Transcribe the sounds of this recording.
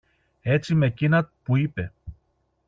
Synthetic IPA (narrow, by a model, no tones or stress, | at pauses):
e̞t͡sime̞cinɐt̪puipe̞